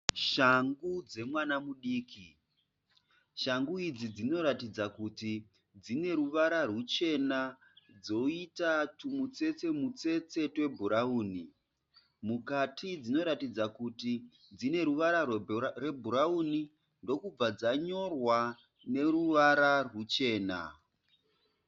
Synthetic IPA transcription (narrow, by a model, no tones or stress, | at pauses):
ʃaŋɡud͡ze̞mwanamuɗiːki | ʃaŋɡuid͡zid͡zino̞ɾatid͡zakuti | d͡zine̞ruʋaɾarut͡ʃe̞na | d͡zo̞itatumut͡se̞t͡se̞mut͡se̞t͡se̞twe̞bʱuɾauːni | mukatʰid͡zino̞ɾatid͡zakuti | d͡zine̞ɾuʋaɾare̞bʱuɾauni | ndo̞kub͡vad͡zaɲo̞rwa | ne̞ɾuʋaɾarwut͡ʃe̞ːna̰